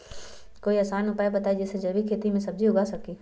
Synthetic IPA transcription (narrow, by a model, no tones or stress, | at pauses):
koːiɐːsaːnʊpaːebɐt̪aːid͡ʒɛːsed͡ʒɐɾbikʰeːt̪imẽsɐb̚d͡ʒʱiʊɡasɐkiː